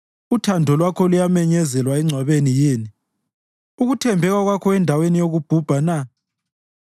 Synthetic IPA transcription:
utʰandʱɔlwakʰɔlujamɛɲɛzɛlwaɛŋ͡ǀʱwaβenijeːni | uɣutʰɛmbʱɛɣwaɣwakʰɔɛndʱawenijoɣub̥ʱub̥ʱana

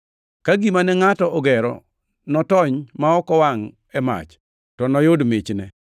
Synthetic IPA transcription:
kaɡimanɛŋatɔɔɡɛɾɔ̰ | nɔtɔɲmaɔkɔwaŋ | ɛma̰t͡ʃ | tɔnɔjodmɪt͡ʃnɛ

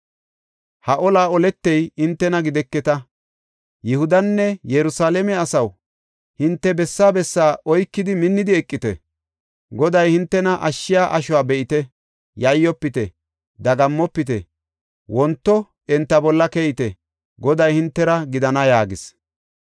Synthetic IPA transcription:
hɐʔɔlaːɔlɛt̪ːɛjɪnt̪ːɛnɐɡɪd̪ɛkːɛt̪ɐ | jɪhʊd̪ɐnːɛjɛɾʊsaːlɛmɛɐsɐw | hɪnt̪ːɛbɛsːaːbɛsːaːʔɔjkːɪd̪ɪmɪnːɪd̪ɪɛkʼːɪt̪ɛ̰ | ɡɔd̪ɐjhɪnt̪ːɛnɐʔɐʃːɪjaːʔɐʃʊwaːbɛʔɪt̪ɛ | jɐjːɔpːɪt̪ɛ | d̪ɐɡɐmːɔpːɪt̪ɛ | wɔnt̪ːɔ | ɛnt̪ːɐbɔlːɐkɛjɪt̪ɛ | ɡɔd̪ɐjhɪnt̪ːɛɾɐɡɪd̪ɐnɐjaːɡɪs

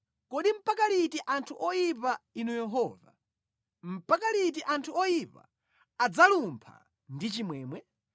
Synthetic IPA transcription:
kɔɗim̩pakalitiʔantʰuʔɔjipainujɛɦɔːva̰ | m̩pakalit̬iʔantʰuɔjipa̰ | ad͡zalumpʰa̰ | ndit͡ʃimwɛːmwɛ

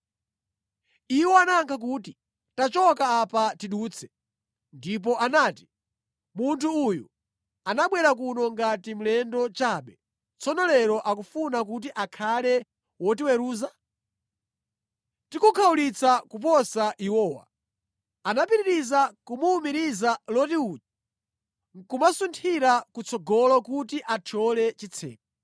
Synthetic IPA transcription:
iwɔanaŋkʰak̬uti | tat͡ʃɔkaapatiɗuːt͡sʰɛ̥ | ndip̬ɔʔanaːti̥ | muntʰuujṵ | anaɓwɛɾak̬unɔŋɡatim̩lɛndɔt͡ʃaːɓɛ | t͡sɔnɔlɛɾɔʔakufunak̬ut̬iʔakʰalɛ | wɔtiwɛɾuːza | tikukʰaulit͡sakup̬ɔsaʔiwɔːwa̰ | anapiɾiɾizakumuːmiɾizalɔtiuːt͡ʃi̥ | kumasuntʰiɾakut͡sɔɡɔlɔkutiʔat͡ʃʰɔlɛt͡ʃit͡sʰɛ̰ːk̚a

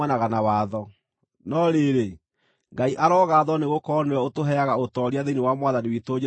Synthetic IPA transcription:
anaɣanawaːðɔ | nɔɾeɾe | ŋɡaiʔaɾɔːɣaːðɔneɣokɔnwɛotoɦɛaɣaotɔɾiaðeniwamwaðaniwitoːɲe

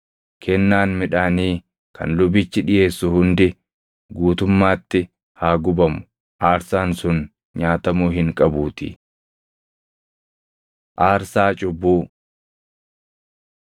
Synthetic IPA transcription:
kʰɛnːaːnmɪᶑaːniː | kʰɐ̰nlʊbɪt͡ʃːɪᶑɪje̞ːsːʊhʊnd̪ɪ | ɡuːt̪ʊmːaːt̪ːɪ | haːɡʊbɐmʊ̥ | ʔaːɾsaːnsʊn | ɲaːt̪ɐmuːɦɪŋkʼɐbuːt̪ɪ̰ | ʔaːɾsaːt͡ʃʼʊbːuː

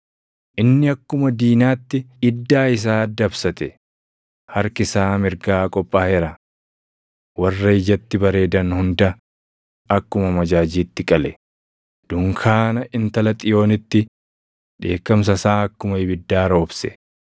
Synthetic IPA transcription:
ʔɪnːɪɐkːʊmɐd̪iːnaːt̪ːɪɪd̪ːaːɪs̬aːd̪ɐbsɐt̪ɛ | hɐɾkɪsaːmɪɾɡaːkʼɔpʼːaːhɛɾɐ | wɐrːɐɪd͡ʒɐt̪ːɪbɐɾe̞ːd̪ɐnhʊnd̪ɐ | ɐkːʊmɐmɐd͡ʒaːd͡ʒiːt̪ːɪkʼɐlɛ | d̪̥ʊŋkʰaːnɐʔɪnt̪ɐlɐt̪ʼɪjo̞ːnɪt̪ːɪ | ᶑe̞ːkːɐms̬ɐsaːɐkːʊmɐɪbɪd̪ːaːɾo̞ːbsɛ

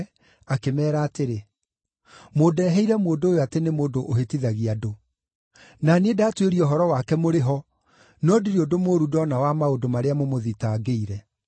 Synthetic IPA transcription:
akemɛːɾaːteɾe | moːdɛɦɛiɾɛmoːdoːjoatenemoːdoʔːɦetiðaɣiado | nanedaːtweɾiɔɦɔɾɔwakɛmoɾeɦɔ | nɔdiɾeodomoɾudɔnawamaodomaɾeamomoðitaɡeiɾɛ

